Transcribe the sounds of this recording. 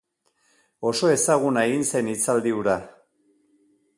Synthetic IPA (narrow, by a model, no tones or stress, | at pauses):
o̞so̞e̞saɣ̞unaeɣinse̞nit͡sald̪iuɾa